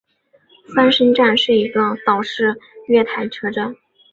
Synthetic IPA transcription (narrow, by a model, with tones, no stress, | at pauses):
sa˥nʂə˥ŋʈ͡ʂa˥˧nʂɻ̩˥˩i˧˥ʈ͡ʂɑ˥˩ŋt̪ɑ˨˩ʊʂɻ̩˥˧ɥɛ˥˩t̪ʰa˧˥ɪʈ͡ʂʰɤ˥ʈ͡ʂə˥˩